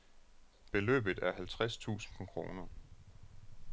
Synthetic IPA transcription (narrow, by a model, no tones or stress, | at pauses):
b̥e̝lø̰ːb̥ð̩ˠæɐɦælt͡sʰʁast͡sʰṵːsn̩pʰɒ̽kʰʁo̝̰ːnɐ